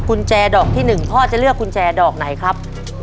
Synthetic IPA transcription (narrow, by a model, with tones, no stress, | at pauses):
kʰu˧nt͡ɕɛː˧dɔː˨˩k̚t̪ʰiː˥˩nɯ˨˩ŋpʰɔː˥˩t͡ɕa˨˩lɯ˥˩əkʰːu˧nt͡ɕɛː˧dɔː˨˩k̚na˩˦jkʰɾa˦˥p̚